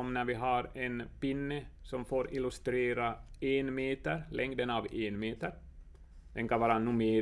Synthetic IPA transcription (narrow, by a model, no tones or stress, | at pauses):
ɔmnæɾvɪɦɑɾɛnpɪnːəsɔmfoːɾɪlɵst̪ɾeːɾaeːnmeːt̪əɾlʔɛŋd̪ənɑveːnmeːt̪əɾ | d̪ɛnkɑnvɑːɾanʊmeː